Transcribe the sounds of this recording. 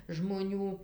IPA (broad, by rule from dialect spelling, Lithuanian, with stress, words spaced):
ʒmoːˈnʲuː